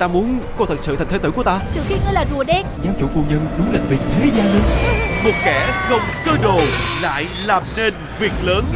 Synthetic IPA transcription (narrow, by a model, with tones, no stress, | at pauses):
t̪aː˧mu˨˦ənkɔ˧t̪ʰə˨˩t̚sɨ̰˧˨˩ŋʰ˨˦t̪ɨ˧˦ku˧˩ət̪aː˧t̪ɨ˨˩xi˧ŋəː˧˦jlaː˨˩zu˨˩əɗɛ˧˦n̚zaː˨˦mt͡ɕṵ˧˩fu˧ɲə˧nɗʊ˨˦ŋ͡mlaː˨˩vi˨˩ək̚t̪ʰe˨˦zaː˧lɨ˧˦nmɨ˨˩t̚kɛ˧˩xə˧wŋ͡mkəː˧ɗo˨˩la̰ː˧˨jlaː˨˩mne˧n | vi˨˩ək̚ləː˨˦n